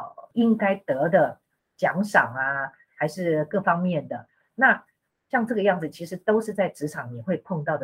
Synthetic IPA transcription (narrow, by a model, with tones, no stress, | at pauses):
i˦˥ŋka˥ɪt̪ɤ˧˥d̪ə˨ | t͡ɕjɑ˧˥ŋʂɑ˨˩ŋa˩ | xa˧˥ɪʂɻ̩˥˧kɤ˥˩fɑ˥ŋmjɛ˥˩nd̪ə˩ | na˥˨ | ɕjɑ˥˧ŋʈ͡ʂɤ˥˩ɡə˩jɑ˥˩ŋd͡zɹ̩˩t͡ɕʰi˧˥ʂɻ̩˧˥t̪o˥ʊʂɻ̩˥˧t͡sa˥˩ɪʈ͡ʂɻ̩˧˥ʈ͡ʂʰɑ˨˩˦ŋni˨˩xwe˥˧ɪpʰɔ˥˧ŋt̪ɑ˥˩ʊd̪ə